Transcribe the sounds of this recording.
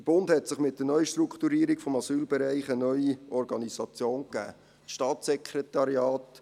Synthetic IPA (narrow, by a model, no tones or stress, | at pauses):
dəb̥ʊndhɛtsɪχmɪt̚d̥̪ənœʏəʃt̪ɾukχt̪uɾiːəɾikfɔmɑsyːlbɛɾæɪχənœʏiɔɾɡɑnisɑt͡sjoːnkæ̰ː | ʃtɑːtsɛkʰretɑɾjɑːt